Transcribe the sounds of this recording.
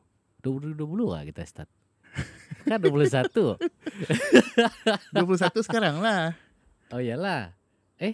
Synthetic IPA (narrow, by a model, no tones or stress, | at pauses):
d̥uapuduapuluka̰kit̪ast̪a̰t̪̚ | kanduap̬ulusat̪u | duap̬ulus̬at̪usəkaɾaŋlah | oijalah | ɛh